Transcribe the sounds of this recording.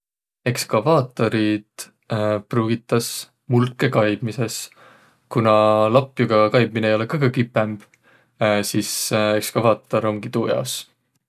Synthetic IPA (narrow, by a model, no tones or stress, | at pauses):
e̞kskɑvɑːt̪ːˑo̞ɾid̪̥ | pruːɡ̥it̪ːˑɑs | mulkːˑe̞kɑjb̥mise̞s | kunɑlɑpːjuɡ̥ɑkɑjb̚mineːjo̞le̞kɑɡ̥ɑkipːˑemb̥ | sisekskɑvɑːt̪ːˑo̞ɾo̞mkit̪ujɑ̰os